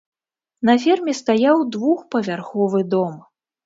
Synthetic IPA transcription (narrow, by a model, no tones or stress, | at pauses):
nɐfʲɛrmʲɛst̪ajawd̪vuxpɐvʲarxɔvɨd̪ɔm